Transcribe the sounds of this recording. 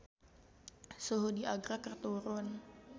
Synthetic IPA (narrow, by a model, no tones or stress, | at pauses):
suɦudiaɡɾakərt̪uɾʊn